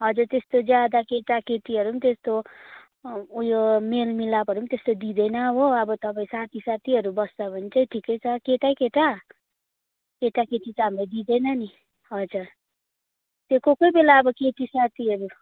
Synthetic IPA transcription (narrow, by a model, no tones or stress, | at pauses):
ɦʌd͡zurt̪est̪od͡zjad̪akeʈaket̪iʌɾunt̪est̪o | jomelmilapɦʌɾunt̪est̪od̪id̪ʌjnʌboʌbʌt̪ʌpãĩsat̪ʰisat̪ʰiɦʌɾubʌst͡sʌbʱʌnt͡sʌĩʈʰikʌjt͡sʰʌkeʈajkeʈa | keʈaket̪it͡samlejd̪id̪ʌjnʌni | ʌd͡zʌr | t̪jokokojbelaʌbʌket̪isat̪ʰiʌɾu